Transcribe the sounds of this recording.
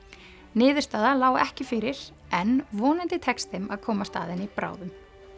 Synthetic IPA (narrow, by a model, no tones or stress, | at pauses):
nɪːðʏɾst̪aːðalaːwɛhcɪfɪɾɪɾ̥ | ɛnvɔːnɪnt̪ɪt̪ʰɛkst̪hɪmaðkʰɔːmast̪a̰ːðɪnɪipɾa̰ːwðʏm